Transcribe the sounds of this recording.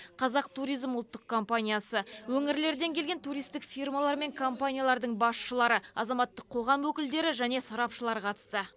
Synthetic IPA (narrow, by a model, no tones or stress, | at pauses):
qʰɑzɑq̚t̪ʰuɾijzmʊlˠt̪ːəq̚kʰo̞mpanʲijasəwɵŋɪɾle̞ɾd̪e̞ŋkʲʰe̞lɡʲe̞nt̪ʰuɾijst̪ɪkfijrmalˠɑɾme̞ŋkʰompanʲijalˠɑɾd̪əɴbɑsʃəlˠɑɾəɑzɑmɑt̪ːəqʰːo̞ʁɑmwɵkʲɪld̪e̞ɾɪʒæne̞sɑɾɑpʃəlˠɑɾəqʰɑt̪ə̥st̪ə